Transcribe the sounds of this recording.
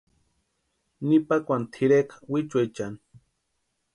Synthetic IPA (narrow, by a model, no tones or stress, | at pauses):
nipakʷant̪ʰiɾekḁwit͡ʃwajt͡ʃan